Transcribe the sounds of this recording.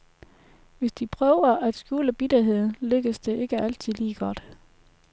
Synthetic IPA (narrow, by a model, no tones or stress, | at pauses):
ʋe̝sd̥ipʰʁœʊɐʔæd̥sɡ̥juːləb̥id̥ɐɦe̝ð̰ˠn̩løɡ̥əsd̥e̝ʔe̝ɡ̥əʔæl̰t͡sʰiðˠliːɡ̥ɒ̽d̥